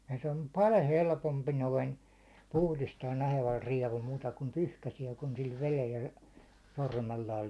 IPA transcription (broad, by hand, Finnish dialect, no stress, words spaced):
jɑ se om pɑlʲ helpompi noin puhlistɑːn nɑheʋɑl riɛʋul muːtɑ kum pyhkæsiɛ kun sil ʋelel jɑ sormelːɑːl